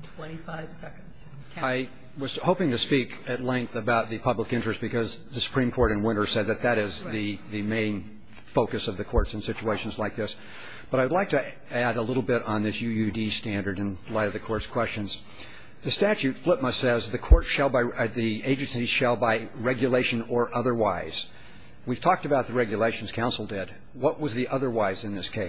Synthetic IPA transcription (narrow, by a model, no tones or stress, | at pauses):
tʰw̥ɛ̃nifaɪv̥sɛknz̥ | aɪ | wʌz̥hoʊpɪ̃ŋtɨspik | ɨtˡlɛ̃ŋk̚θɨbaʊt̪̚ðɨpʰʌbləkɪ̃nt͡ʃɹ̥ɨstb̥ɨkʰʌzðɨsə̥pʰɹ̥ĩmkʰɔɹɾɨ̃nwɪ̃ɾ̃ə˞sɛd̪̚ðɨt̪̚ðɨɾɪzðɨðɨmẽɪ̃n | foʊkɨsʌvðɨkʰɔɹtsn̩sɪt͡ʃueɪʃn̩zlaɪk̚ðɪs | b̥ʌɾaɪwdˡlaɪk̚tʰɨ | æɾəlɪɾl̩ˠbɪɾn̩ðɪsjʉjʉdistæ̃ndə˞ɾɨ̃nlaɪɾʌvðɨkʰɔɹtskʰw̥ɛst͡ʃɨ̃nz̥ | ðɨstæt͡ʃʉtflɪp̚məsɛzðɨkʰɔɹtʃəlˠbðieɪd͡ʒɨ̃nsiʃɨlˠbaɪɹɛɡjɨleɪʃɨ̃nə˞ʔʌðə˞waɪz̥ | wiv̥tʰɔk̚tɨbaʊt̪̚ðɨɹɛɡjɨleɪʃn̩z̥kʰãʊ̃nsl̩ˠdɪd̚ | wʌʔ̚wʌzðiʔʌðə˞waɪzɨ̃nðɪskʰeɪ